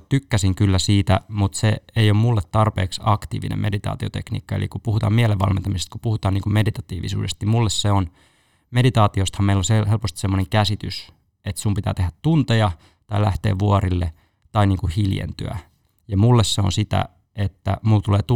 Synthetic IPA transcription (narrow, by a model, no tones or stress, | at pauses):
t̪ykːæsiŋkylːæsiːt̪æmut̪seejommulːet̪tɑrpḛːksɑkt̪ḭːʋinʔḛme̞dit̪ɑ̰ːt̪iot̪ḛknḭːkːɑelʔḭkupuhut̪ɑ̰ːmieleʋːɑ̰lment̪ɑmisest̪̚kupuhut̪ɑːniːŋkumedit̪ɑt̪ḭːʋḭsṵːdest̪nimulːesseon | medit̪ɑːt̪iost̪hɑmeilːoseɦelpost̪i̥semːoneŋkæsit̪ys | et̪sumpit̪æ̰ːt̪ehæt̪tunt̪ejɑ | t̪ɑilæht̪eːʋʋuoɾilːe | t̪ɑiniːŋkuhiljḛnt̪ø̰æ̰ | jɑmulːesseo̰nsit̪æ̰ | et̪ːæ̰mult̪uleːt̪u